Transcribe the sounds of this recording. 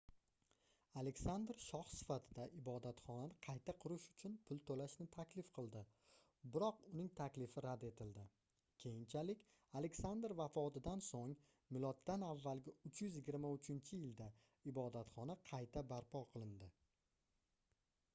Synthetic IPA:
ale̞kʲsand̪ɾʃɒχsɪ̥fat̪ʰɪd̪aʔɪbɒd̪at̪χɒnanɪqʰɑjt̪ʰaqʰʊɾɪʃʊ̥t͡ʃʰʊnpʰʊlˠt̪ʰolaʃnɪt̪ʰakʲlɪfqʰɨlˠd̪ɪ | bɪɾɒqʊnɪŋt̪ʰakʲlɪfɪɾad̪e̞t̪ʰɪld̪ɪ | kʲʰe̞jɪnt͡ʃʰalɪkʲ | ale̞kʲsand̪ɾvafɒt̪ɪd̪ansoŋ | mɪlˠɒt̪ːanavːalɡʲɪʊt͡ʃjʏzjɪɡʲɪɾmaʊt͡ʃʰɪnt͡ʃʰɪjɪld̪a | ɪbɒd̪at̪χɒnaqʰɑjt̪ʰabaɾpʰɒqʰɨlˠɪnd̪ɪ

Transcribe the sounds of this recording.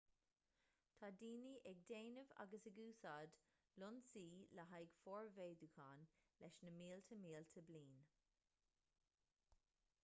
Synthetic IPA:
t̪ʰaːdiːniʔɛɡ̚d̪eːnəva̰ɡəsəɡuːsaːd̪ | lʊnsiːləɦajɡ̥fɔːɹveːd̪ukʰaːnlɛʃnəmiːlt̪ʰəmiːlt̪ʰəbliːn

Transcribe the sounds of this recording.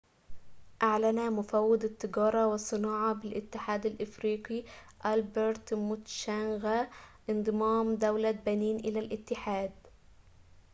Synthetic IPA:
ʔaʕlanamʊfawːɪd̪t̪ːɨɡɑːɾˤɑwɪsˤːɨnɑːʕɑbɪlʔɪt̪ːɪħaːd̪alʔɪfɾiːqiʔalbeɾt̪mʊt̪ʃanɣaʔɪnd̪ˤɨmɑːmd̪awlabæniːnʔɪlalʔɪt̪ːɪħaːd̪

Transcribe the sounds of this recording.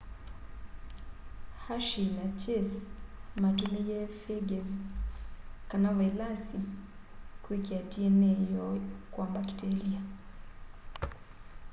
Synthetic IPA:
haʃinat͡ʃɛsmatumijɛfɛɡɛz | kanawɛlasi | kwekiatiɛnɛjɔkwambaki̥tɛlia

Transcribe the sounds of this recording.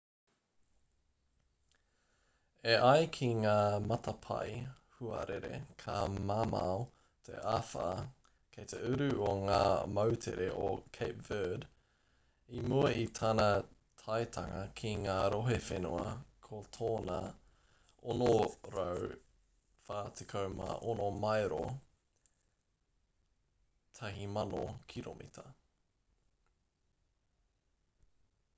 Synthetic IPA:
eʔɐjkʰiŋaːmɐt̪ɐpʰɐ̰jhuɐ̰ɾeɾḛkʰamaːma̰o | t̪ʰḛʔaːfa̰ | kʰejt̪ʰeʉɾʉoŋaːmɐwt̪ʰḛɾeʔo̰kʰejpv̥əd | imuɐʔit̪ʰanɐ | t̪ʰɐjt̪ʰɐŋɐkʰiŋaːɾoɦefḛnuɐ̰kʰot̪ʰoːnɐ | onoɾɐw | faːt̪ʰekʰɐwma̰ʔonomɐjɾo̰ | t̪ʰɐɦimɐno̰kʰiɾo̰mʔḭt̪ʰɐ

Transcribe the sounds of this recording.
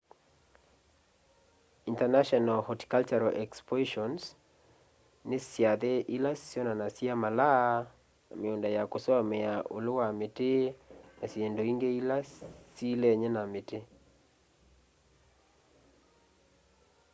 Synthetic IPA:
intanaʃɔnalhɔti̥kalt͡ʃaɾɔʔɛkspɔʃɔns | nesjaðeʔilassjɔnanasiamala | meondajakosamɛaʔolowametenasjendoiŋɡeilasilɛɲɛnamete

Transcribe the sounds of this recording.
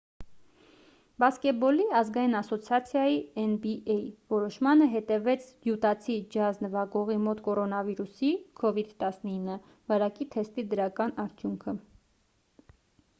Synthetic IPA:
bɑskɛt̪̚bɔliɑzɡɑjinɑsɔt͡sʰjɑt͡sʰjɑjiɛnbiʔɛjvɔɾɔʃmɑnəɦɛt̪ɛvɛt͡sʰd̪jut̪ɑt͡sʰid͡ʒɑznəvɑɡɔʁimɔt̪kɔɾɔnɑviɾusikʰɔvid̪t̪ɑsnəinːə | vɑɾɑkit̪ʰɛst̪id̪əɾɑkɑnɑɾt̪ʰjuŋkʰə

